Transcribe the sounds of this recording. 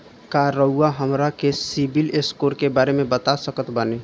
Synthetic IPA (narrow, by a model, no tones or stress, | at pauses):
kaɾəuaɦəmɾakesibileskoːɾkebaːɾemẽbət̪asəkət̪bəne